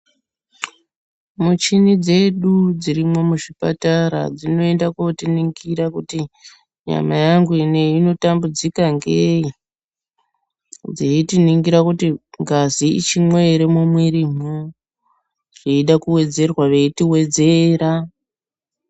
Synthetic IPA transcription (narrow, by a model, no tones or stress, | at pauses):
mut͡ʃinid͡ze̞ɗud͡ziɾimo̞muʐipa̰taɾa̰d͡zino̞e̞ndakotiniŋɡiɾakuti | ɲa̰majaŋɡuine̞ino̞tambud͡zikaŋɡei | d͡zeitiniŋɡiɾakutiŋɡaziḭt͡ʃimweɾemomwiɾimu | ʐ̥eiɗakuwe̞d͡ze̞rwaʋe̞itiwe̞d͡ze̞ːɾa